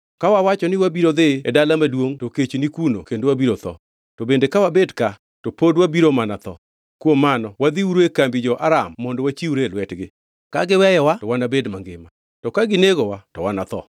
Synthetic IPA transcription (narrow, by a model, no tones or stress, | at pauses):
kawawat͡ʃɔnɪwabiɾod̪ɪɛdalamadwoŋtoket͡ʃenikunokendwabiɾot̪ɔ̰ | tɔbendekawabedka | topodwabiɾomanat̪ɔ̰ | kwomːanɔwad̪iuɾekambid͡ʒɔʔaɾamːɔndɔwat͡ʃiuɾelwɛtɡɪ | kaɡɪwɛjɔwaɔwanabedmaŋɡɪma | tɔkaɡɪneɡɔwatɔ̰wanat̪ɔ̰